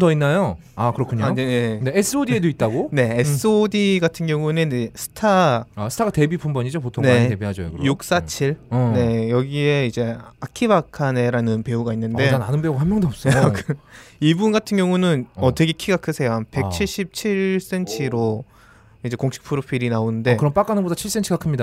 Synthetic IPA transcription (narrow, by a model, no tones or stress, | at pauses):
dʌinːajo | akɯɾʌkʰɯɲanenenees͈ʰɯodiedoit̚t͈aɡone̞ːs͈ɯodiɡatʰɯnɡjʌŋunenesʰɯ̥tʰaasʰɯ̥tʰaɡate̞bipʰumbʌɲid͡ʑopotʰoŋne̞ebiɦad͡ʑojo̰kɯɾjuk̚s͈at͡ɕʰiɭnejʌɡie̞id͡ʑe̞akʰibakʰane̞ɾanɯnpe̞uɡainːɯnde̞ananɯnbeuɡaɦamjʌŋdoʌp̚s͈ʌkɯibunɡatʰɯnɡjʌŋunɯnʌteɡikʰiɡakʰɯsʰe̞jope̞kkt͡ɕʰiɭɕ͈ip̚t͡ɕʰiɭs͈e̞nt͡ɕʰiɾo | id͡ʑe̞koŋɕʰi̥k̚pʰɯɾopʰiɾinaonɯnde̞kɯɾʌmp͈ak͈anɯbodat͡ɕʰiɭs͈ent͡ɕʰiɡakʰɯmɲida